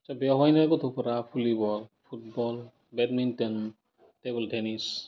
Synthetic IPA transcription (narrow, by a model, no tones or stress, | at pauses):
asabeɔɦɔjnakot̪ʰupʰɔɾapʰulibɔlpʰut̚bɔl | bɛdmintɔn | tebɔltenis